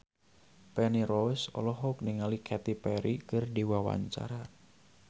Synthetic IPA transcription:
pɛnirɔjsɔ̰lɔɦɔk̚niŋalikʰɛt̪ipɛɾikɨrdiwawa̰ɲt͡ʃa̰ɾa

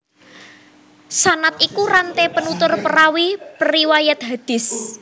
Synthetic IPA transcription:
sanat̪ikuɾant̪ɛpənut̪ʊrpəɾawipəɾiwajat̪̚ɦad̪̥ɪ̤s

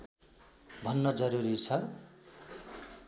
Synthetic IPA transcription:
bʱʌnːʌd͡zʌɾuɾit͡sʰʌ

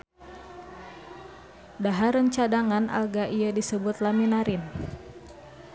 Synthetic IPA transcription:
daɦaɾəɲt͡ʃadaŋanʔa̰lɡaʔiadisəbʊt̪laminaɾɪn

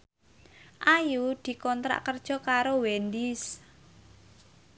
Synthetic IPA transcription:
ʔajud̪̥i̤kɔnt̪ɾa̰ʔkərd̥ʒ̥ɔ̤kaɾowɛnd̪ɪs

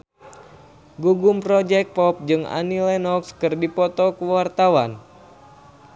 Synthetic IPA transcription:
ɡuɡumpɾɔd͡ʒɛk̚pɔp̚d͡ʒɨŋa̰nilɛnɔkskɨrdipɔt̪ɔkuwart̪awan

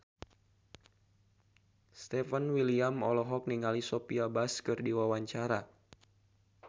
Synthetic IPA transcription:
st̪ɛfənwiliamɔlɔɦɔk̚niŋalisopiabaskɨrdiwawaɲt͡ʃaɾa

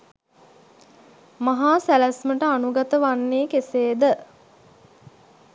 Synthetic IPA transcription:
maɦaːsælæsməʈəanuɡat̪əʋanːeːkeseːd̪ə

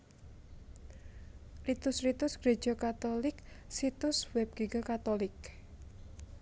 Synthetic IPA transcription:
rit̪ʊsrit̪ʊsɡ̥ɾe̥ʒ̥okat̪olɪk̚sit̪ʊswɛb̚ɡ̥iɡɔkat̪olɪk

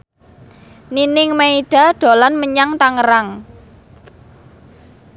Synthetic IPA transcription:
ninɪŋmaiɖ̥a̤ɖ̥o̤lanməɲaŋt̪aŋəɾaŋ

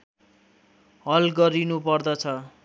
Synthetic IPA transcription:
ɦʌlɡʌɾinupʌrd̪ʌt͡sʰʌ

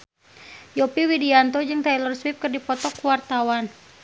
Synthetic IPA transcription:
jɔpiwidiant̪ɔd͡ʒɨŋt̪ajlɔrswip̚kɨrdipɔt̪ɔkuwart̪awan

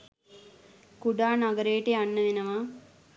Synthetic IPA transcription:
kuɖaːnaɡəɾejəʈəjanːəʋenəʋa

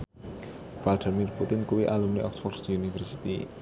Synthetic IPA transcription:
valdimirput̪ɪnkuwiʔalumniʔɔksfɔrdsd̪̥iunifərsi̥t̪ḭ

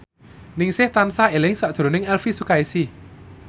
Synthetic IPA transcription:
nɪŋsɪht̪ansaelɪŋsaʔd̪̥ɾo̤nɪŋɛlfisukaisi

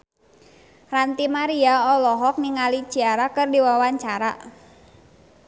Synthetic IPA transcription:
rant̪imaɾiaɔlɔɦɔk̚niŋalid͡ʒiaɾakɨrdiwawaɲt͡ʃaɾa

